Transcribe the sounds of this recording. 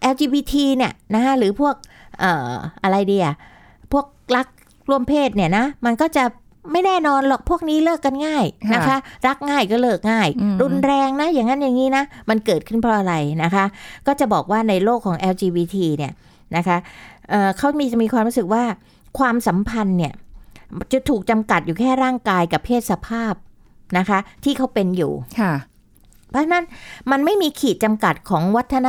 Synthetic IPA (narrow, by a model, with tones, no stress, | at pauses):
ʔɛː˧wt͡ɕiː˧biː˧t̪ʰiː˧ni˥˩əna˦˥kʰa˦˥ɾɯː˩˦pʰu˥˩ək̚ʔɤː˨˩ʔa˧ɾa˧jdiː˧ʔa˨˩ | pʰu˥˩ək̚la˦˥k̚ | ɾu˥˩əmpʰeː˥˩t̪̚ni˥˩ɐna˦˥ma˧nkɔː˥˩t͡ɕa˨˩ʔ | ma˥˩jnɛː˥˩nɔː˧nlɔ˨˩k̚pʰu˥˩ək̚niː˦˥lɤː˥˩kːa˧nŋaː˥˩jna˦˥kʰa˦˥ɾa˦˥k̚ŋaː˥˩jkɔː˥˩lɤː˥˩k̚ŋaː˥˩jɾu˧nɾɛː˧ŋna˦˥jaː˨˩ŋːa˦˥nja˨˩ŋːiː˦˥na˦˥ma˧nkɤː˨˩t̪̚kʰɯ˥˩npʰɾɔː˧ʔa˧ɾa˧jna˦˥kʰa˦˥kɔː˥˩t͡ɕa˨˩bɔː˨˩k̚waː˥˩na˧jloː˥˩kʰːɔː˩˦ŋʔɛː˧wt͡ɕiː˧wiː˧t̪ʰiː˧ni˦˥˩ɐ | na˦˥kʰa˦˥ʔɤː˨˩kʰa˦˥wmi˧t͡ɕa˨˩miː˧kʰwaː˧mɾu˦˥sɯ˨˩k̚waː˥˩ | kʰwaː˧msa˩˦mpʰa˧nːi˥˩ɐt͡ɕa˨˩t̪ʰːuː˨˩k̚t͡ɕa˧mka˨˩t̪̚juː˨˩kʰɛː˥˩ɾaː˥˩ŋkaː˧jka˨˩pʰːeː˥˩t̪̚sa˧pʰaː˥˩p̚ | na˦˥kʰa˦˥t̪ʰiː˥˩kʰa˦˥wpe˧njṵː˨˩˥ | pʰɔ˦˥t͡ɕʰa˥na˦˥nma˧nma˥˩jmiː˧kʰiː˨˩t̪̚t͡ɕa˧mka˨˩t̪̚kʰɔː˩˦ŋwa˦˥t̪ʰːa˧na˦˥